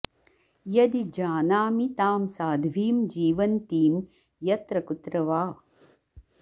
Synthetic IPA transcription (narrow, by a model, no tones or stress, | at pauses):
jɐd̪id͡ʒaːnaːmit̪aːmsaːd̪ʱʋiːmd͡ʒiːʋɐnt̪iːm | jɐt̪ɾɐkut̪ɾɐʋaː